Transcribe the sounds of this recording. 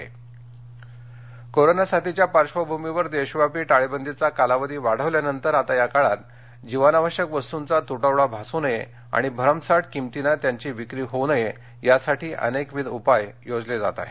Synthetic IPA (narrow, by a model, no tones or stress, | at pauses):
ḛ | koɾonasat̪it͡ɕjapaɾɕʋəbʱumiʋəɾd̪eɕʋapiːʈaɭebənd̪it͡sakalaʋəd̪iːʋaɽ̤əʋljanənt̪əɾat̪ajakaɭat̪ | d͡ʑiʋanaʋəɕjəkbəst̪unt͡sat̪uʈəʋɭabʱasunəje | a̰ɽ̃ibʱəɾəmsaʈkimt̪inat̪jaɲt͡ɕiːʋikɾiːɦonəje | jasaʈʰiːʔə̰nekʋid̪upajjod͡zled͡za̰t̪a̰